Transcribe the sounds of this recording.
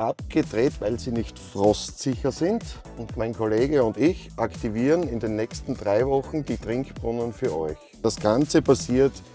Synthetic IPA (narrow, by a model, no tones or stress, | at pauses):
ʔap̚ɡ̥ədʁeːtvaɪlziːnɪçtfʁɔstsɪçɐzɪnd | ʊntmaɪnkʰoleːɡəʊntɪçʔaktiviːʁənɪndeːnːɛçstn̩dʁaɪvɔxn̩diːtʁɪŋkb̥ʁʊnənfyːɐɔ̰ʏç | d̥asɡ̥ant͡səpʰasiːɐt